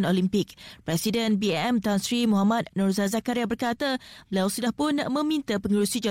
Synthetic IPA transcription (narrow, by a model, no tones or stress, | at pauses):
nolimpɪk̚pɾɛsidənbiɛɛmt̪ansɾimuɦamãt̪̚nurzazakaɾjabərkat̪abəlawsudahpʊnamə̃mĩnt̪əpəŋuɾusid͡ʒa